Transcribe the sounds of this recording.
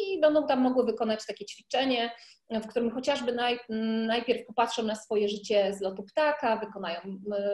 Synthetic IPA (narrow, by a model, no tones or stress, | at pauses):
ibɛnd̪ɔ̃w̃t̪amːɔɡwɘvɘkɔnat͡ɕt̪akʲɛt͡ɕfʲit͡ʂɛɲɛ | fk̚t̪uɾɘmxɔt͡ɕaʐbɘnajnajpʲjɛɾfpɔpatʂɔ̃w̃nasfɔjɛʐɘt͡ɕɛzlɔt̪upt̪akavɘkɔnajɔ̃w̃